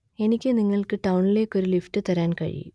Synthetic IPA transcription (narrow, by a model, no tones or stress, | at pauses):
e̞nikʲːɨniŋːɐɭkɨʈɐwɳile̞ːkʲːo̞ɾulifʈɨt̪ɐɾaːnkɐ̰ɻḭ